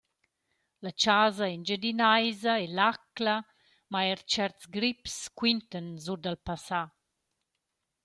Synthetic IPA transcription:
lat͡ʃaːzaɛnd͡ʒədinajzaelakla | maɛɾt͡ʃɛɾt̪sɡɾipskwint̪ənzudalpasa

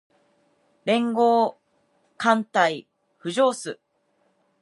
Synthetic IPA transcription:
ɾẽ̞ŋɡo̞ː | kãnt̪ai | ɸɯ̟ʑo̞ːsɨ

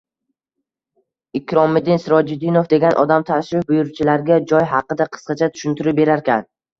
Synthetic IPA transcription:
ɪkʲʰɾɒmɪd̪ɪnsɪɾɒd͡ʒɪd̪ːɪnofd̪e̞ɡʲanʔɒ̰d̪amt̪ʰaʃɾɪfbʊjʊɾt͡ʃʰɪlaɾɡʲad͡ʒɒjɦɑqɨd̪aqʰɨ̥sqɑt͡ʃʰat̪ʰʊ̥ʃʊnt̪ʰɪɾɪp̚be̞ɾaɾkʲan

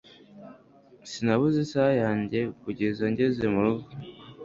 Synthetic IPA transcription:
sinaβuzisajaːɲɟe̞kuɟezaɲɟezemuɾuɡu

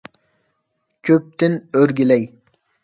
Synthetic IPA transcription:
kʲʰøp̚t̪ɪnøɾɡʲilɛj

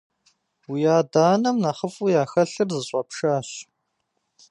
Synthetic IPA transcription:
wijaːdaːnɐmnaːχəfʼujaːxɐɬɨrzɨɕʼɐpʂaːɕ

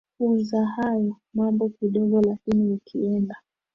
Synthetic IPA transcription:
kumzahajɔ | mambɔkiɗɔɠɔlakiniukʰiɛnda

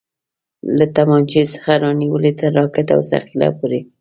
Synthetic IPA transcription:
lat̪amɑnt͡ʃesə̥xaɾɑniwəlet̪əɾːɑkɪt̪a̰wsa̰xila̰poɾe

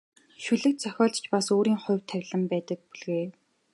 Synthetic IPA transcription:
ʃuɮɘ̆k̚t̪̚t͡sœxʲɔːɮ̥t͡ɕpasoːɾiːŋχʊwt̪ʰːæwʲɮə̆mpæːt̪ə̆k̚puɮɣeː

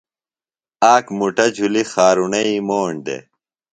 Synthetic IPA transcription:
aːkmuʈɐd͡ʑʱulixaːɾunɐimoːɳd̪ḛ

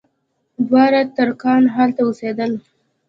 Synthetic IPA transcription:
d̪wɑɾat̪əɾkɑnɦalt̪aused̪əl

